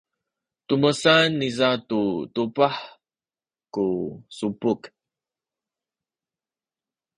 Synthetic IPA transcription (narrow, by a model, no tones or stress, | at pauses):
tuməsanːizatutupaħ | kusupuk